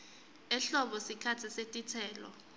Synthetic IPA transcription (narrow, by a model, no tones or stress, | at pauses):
ɛɬɔɓɔsikʰatʰisetʼitʰɛːlɔ̰